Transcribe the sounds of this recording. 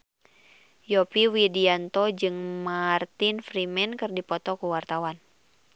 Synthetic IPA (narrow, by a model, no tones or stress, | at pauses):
jɔpiwidiant̪ɔd͡ʒɨŋmart̪infɾimɛnkɨrdipɔt̪ɔkuwart̪awan